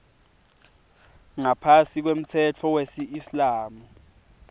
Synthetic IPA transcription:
ŋapʰasik̬wem̩tʰɛt͡fʰɔwesiːslaːmu

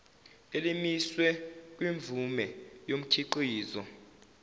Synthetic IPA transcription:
elimiswɛk̬ʼwiɱvʱumɛjom̩kʰiǃiːzɔ

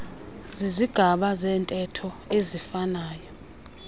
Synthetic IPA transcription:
ziziɡ̥ʱaɓazɛːntʼɛtʰɔezifanaːjɔ

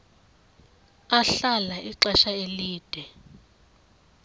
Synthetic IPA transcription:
aɬalaʔiǁɛʃaeliːd̥ʱɛ

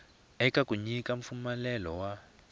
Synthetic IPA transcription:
ɛkʼakʼuɲikʼaɱ̩fumalɛlɔwa

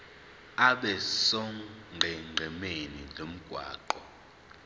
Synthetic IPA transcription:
aɓɛsɔŋɡʱɛŋ͡ǃʱɛmeninʱom̩ɡ̥ʱwa̰ːǃɔ

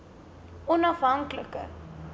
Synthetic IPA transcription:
ɔnɐfɦɐŋkləkə̰

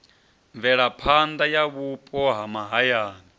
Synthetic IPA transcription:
ɱvɛɺapʰand̪ajaβupʼɔɦamaɦajaːni

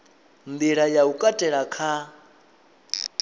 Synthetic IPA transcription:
ndiɺajaukʼatʼɛɺakʰa

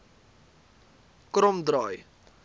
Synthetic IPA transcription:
krɔmdɾɑːj

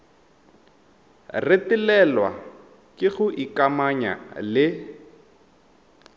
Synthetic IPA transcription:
retilɛlwa̰ | kʼɪɣʊʔikamaɲa̰lɪ

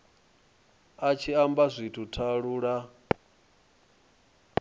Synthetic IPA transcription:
at͡ʃʰiambazʷitʰutʰaɺuːɺa

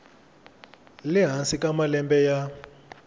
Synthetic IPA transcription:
liɦansikʼamalɛmbɛja

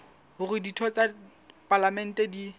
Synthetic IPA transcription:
ʊrɪditʰɔt͡sa | palamɛn̩tedi

